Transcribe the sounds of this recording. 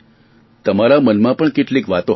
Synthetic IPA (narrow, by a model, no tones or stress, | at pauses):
t̪əmaɾamənmãpəɳkeʈlikʋat̪õ